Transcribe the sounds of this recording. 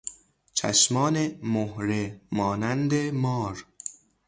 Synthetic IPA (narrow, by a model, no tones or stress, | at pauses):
t͡ʃʰæ̰ʃmɒːnemohɾemɒːnænd̪emɒːɾ